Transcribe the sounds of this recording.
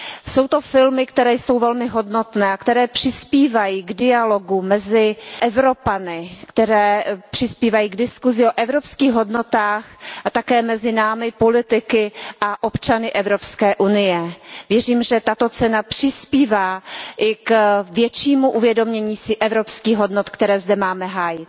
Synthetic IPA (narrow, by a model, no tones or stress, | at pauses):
so̞wt̪o̞fɪlmɪkt̪ɛɾɛːjso̞wvɛlmɪɦo̞dno̞t̪nɛːakt̪ɛɾɛːpr̥ɪspiːvajiːɡdɪalo̞ɡumɛzɪʔɛvɾo̞panɪkt̪ɛɾɛːpr̝̥ɪspiːvajiːɡdɪskuzɪʔo̞ʔɛvɾo̞pskiːxɦo̞dno̞t̪aːxʔat̪akɛːmɛzɪnaːmɪpo̞lɪt̪ɪkɪʔaʔopt͡ʃanɪʔɛvɾo̞pskɛːʔunɪjɛvjɛriːmʒɛt̪at̪o̞t͡sɛnapr̝̥ɪspiːvaːʔɪkvjɛt͡ʃiːmuʔuvjɛdo̞mɲɛɲiːsɪʔɛvɾopskiːɣɦo̞dnot̪kt̪ɛɾɛːzdɛmaːmɛɦaːjɪt̪